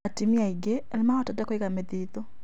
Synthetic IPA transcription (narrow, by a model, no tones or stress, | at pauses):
atimiaiɡeːlemaatadakɔikameðiðo